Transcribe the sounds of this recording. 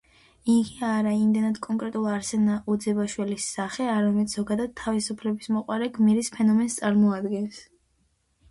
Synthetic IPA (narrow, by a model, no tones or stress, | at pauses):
iɡiaɾaimd̪ɛnad̪̥kʼɔŋkʼɾɛt̪ʼulˠaɾsɛnaʔud̪zɛbaʃwɛlisːaχɛaɾamɛt̪sʰz̥ɔɡad̪ad̪̥̚t̪ʰːavisupʰlɛbismɔqʼwaɾɛɡmiɾispʰɛnɔmɛnst̪sʼaɾmɔad̪ɡɛns